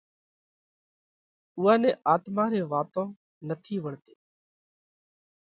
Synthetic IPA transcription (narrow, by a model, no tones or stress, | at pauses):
ʊːaːnɛ̃ːʔaːt̪mãːɾeːʋaːt̪õː | nət̪ʰiːʋəɳt̪e̥ː